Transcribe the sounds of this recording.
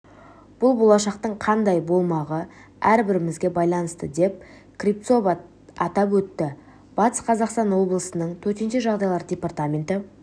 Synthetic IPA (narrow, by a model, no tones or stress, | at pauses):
b̥ʊlˠbo̞lˠɑʃɑqt̪əɴqʰɑnd̪ɑjbo̞lˠmɑʁə | æɾbɪɾɪmɪzɡʲe̞bɑjlˠɑnəst̪əd̪e̞p̚ | krʲipt̪so̞v | ɑt̪ɑpwɵt̪ːɪ | b̥ɑt̪ə̥sqʰɑzɑqst̪ɑnwo̞blˠəsənəɴt̪ʰɵɾt̪e̞nʃeʒɑʁd̪ɑjlˠɑɾdʲe̞part̪amʲe̞nt̪ɪ